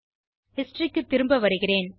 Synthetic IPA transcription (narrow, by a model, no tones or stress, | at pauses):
hɪsʈrikːɯt̪ːɪɾɯmbɐʋɐɾɯɣɪreːn